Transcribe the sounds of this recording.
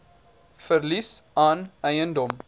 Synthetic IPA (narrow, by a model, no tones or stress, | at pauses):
fərlisɑːnɛjəndɔm